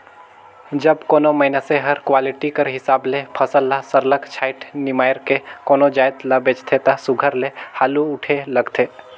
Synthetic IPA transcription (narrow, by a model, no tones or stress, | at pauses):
d͡ʒɐbkoːnomɐɪnaseɦɐɾkwaːlɪʈikəɾɦɪsaːblepʰɐsəlːasəɾləkt͡ʃʰaːɪʈnɪmaːjɾkekoːnod͡ʒaːjt̪labeːt͡ʃt̪ʰet̪asʊɡʱəɾlehaːluʊʈʰelɐɡt̪ʰeː